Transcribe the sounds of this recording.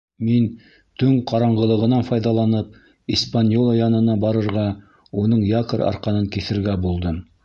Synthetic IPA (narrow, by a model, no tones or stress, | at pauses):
min | t̪ɵŋqʰɑɾɑɴʁɤ̆lˠɤ̆ʁɤ̆nɑnfɑjðɑlˠɑnɤp̚ | ispanʲjolˠajɑnɤ̆nɑbɑɾɤ̆ɾʁɑ | unɤɴjɑkəɾɑ̰ɾqɑnɤŋkiθɘ̆ɾɡæbulˠd̪ɤm